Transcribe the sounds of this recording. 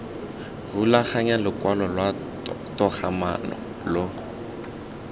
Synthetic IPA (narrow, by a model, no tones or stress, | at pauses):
rulaχaɲalʊkwalɔlwa | tɔχʰama̰nɔ̰ | lʊ